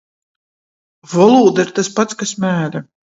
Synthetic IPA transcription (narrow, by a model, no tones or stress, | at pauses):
vɔlˠuːd̪aiɾt̪aspat̪skasmæːɾɐ